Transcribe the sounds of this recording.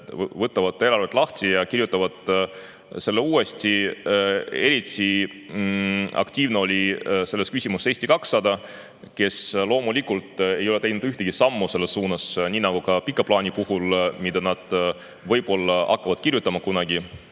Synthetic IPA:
vɤt̪ːˑɑvɑd̪ˑe̞lɑrvet̪lɑht̪ijɑkirjut̪ːˑɑvɑd̪̥ | se̞lːeuːe̞st̪i | e̞ɾit̪ːi | ɑ̰kt̪ʲiːvneo̞lʲise̞lːeskysʲimuse̞ːst̪ikɑksːɑd̪ɑ | ke̞slo̞ːmulʲikult̪e̞jo̞le̞t̪e̞jnud̪̥yht̪e̞ɡ̥isɑmːuse̞lːesːuːnɑsnʲiːnɑɡ̥ukɑpikːˑɑplɑːnipuhulmid̪̥ɑnɑd̪̥ | vɤ̞jpo̞lːɑɑ̰kːɑvɑd̪̥kirjut̪ːˑɑmɑkunɑɡ̥i

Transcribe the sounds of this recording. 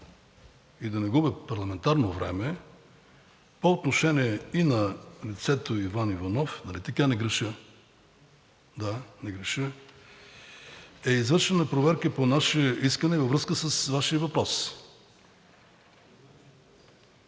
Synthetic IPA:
id̪ɐnɛɡubɛpɐɾlˠɐmɛnt̪aɾnovɾɛ̰mɛ | poot̪noʃɛniɛinɐlit̪sɛt̪oivanivɐnɔfnɐlit̪ɐkanɛɡɾɛʃə | d̪anɛɡɾɛʃə | ɛizvɤɾʃɛnɐpɾovɛɾkəponaʃɛiskənɛvəvɾɤskəsəsvaʃiəvɐpɾɔs

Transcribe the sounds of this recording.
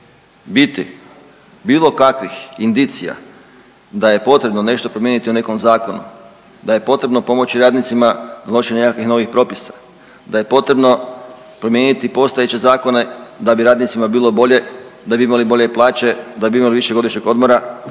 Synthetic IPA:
bit̪i | biːlˠo̞kakʋixind̪it̪sija̰ | d̪aje̞po̞t̪ɾebnone̞ʃt̪o̞pɾo̞mjenit̪iune̞ko̞mzaːko̞nṵ | d̪aje̞po̞t̪ɾe̞bno̞po̞mo̞t͡ɕiɾaːd̪nit̪simanalˠo̞ʃeɲnekakʋixno̞ʋixpɾo̞pisḁ | d̪aje̞po̞t̪ɾe̞bno̞ | pɾomje̞ːnit̪ipo̞st̪ajet͡ɕe̞zaːko̞ne̞d̪abiɾaːd̪nit̪simabiːlˠo̞bo̞ʎe̞d̪abiimalibo̞ʎe̞plˠaːt͡ɕe̞d̪abiimaliʋiʃeɡo̞d̪iʃɲeɡo̞d̪mo̞ɾa

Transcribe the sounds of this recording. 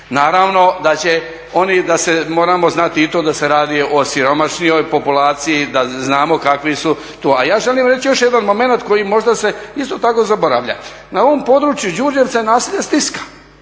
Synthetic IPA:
naːɾaːʋno̞d̪at͡ɕe̞ | o̞nid̪asemo̞ːɾamo̞znat̪iit̪oːd̪ase̞ɾaːd̪iosiɾo̞maʃnijo̞jpo̞pulaːt̪sijid̪aznaːmo̞kakʋisu | t̪uːajaːʒe̞liːmɾet͡ɕijo̞ʃjed̪anmo̞me̞nat̪ko̞jimo̞ʒd̪ase̞ist̪o̞t̪ako̞zabo̞ɾa̰ʋʎa̰ | naoʋompo̞d̪ɾuːt͡ʃjud͡ʑuɾd͡ʒeʋsaenaːsiːʎest̪iskḁ

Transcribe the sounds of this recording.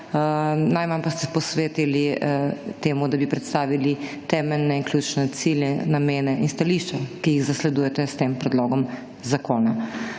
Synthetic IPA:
najmampast̪ɛpɔsʋeːt̪ili | t̪eːmud̪abipɾɛt̪st̪aːʋilit̪ɛːmɛlnɛinkljut͡ʃnɛt̪silʲjɛnameːnɛʔinst̪aliːʃt͡ʃakijiɣzaslɛd̪ujɛt̪ɛst̪eːmpɾɛd̪loːɡɔm | zakoːna

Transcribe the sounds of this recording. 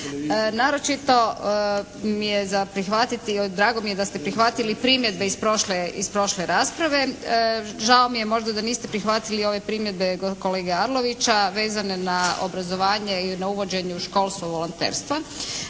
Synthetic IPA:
naːɾo̞t͡ʃit̪o̞ | mijezapɾixʋat̪it̪id̪ɾaːɡo̞mijed̪ast̪epɾixʋat̪ilipɾimje̞d̪̚be̞ispɾo̞ʃleispɾo̞ʃle̞ɾaːspɾaʋe̞ | ʒaomijemo̞ʒd̪ad̪aniːst̪e̞pɾixʋat̪ilio̞ʋe̞pɾimje̞d̪̚be̞ɡoko̞le̞ːɡeaɾlo̞ʋit͡ɕaʋe̞ːzane̞nao̰bɾazo̞ʋaːɲeinauʋo̞d͡ʑe̞ɲuʃko̞lˠst̪uʋo̞lont̪ḛːɾst̪ʋa

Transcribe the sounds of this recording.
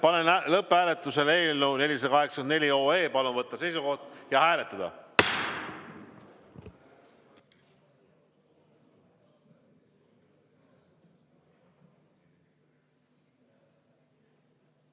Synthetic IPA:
pɑnenlɤpːˑhæːle̞t̪ːˑuse̞le̞ːlnune̞lʲise̥ɑkɑɦeksɑ̥kenne̞lʲio̞ːe̞ːpɑluvɤt̪ːɑse̞jsuko̞ht̪jɑhæːle̞t̪ːˑɑd̪̥ɑ̰

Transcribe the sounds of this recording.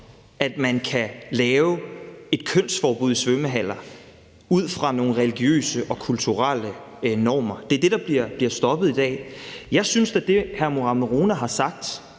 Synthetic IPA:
ʔæd̥mænkʰælɛːʊe̝d̥̚kʰøn̰sfɒːb̥uðˠisʋøməɦæl̰ɐ | uð̰ˠfʁɑ̈no̝ːn̩ʁɛliɡ̥jø̰ːsəʔɒ̽kʰult͡sʰuʁal̰ə | nɒ̰ːmɐd̥e̝ɐd̥e̝d̥ɑ̈b̥liɐb̥liɐsd̥ɒ̽b̥ð̞̩ˠid̥ɛ̰ːjɑ̈ɪsynsd̥ed̥e̝hæɐmoʁɑ̈məʁoːnæɦɑ̈sɑ̈ɡ̥̚d̥

